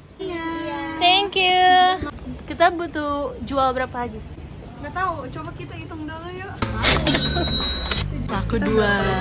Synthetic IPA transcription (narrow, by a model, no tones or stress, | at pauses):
t̪ɛŋkju | kit̪abut̪ud͡ʒualbəɾapaːɡi | ŋɡat̪aut͡ʃobakit̪ait̪ʊŋdolujo | lakudua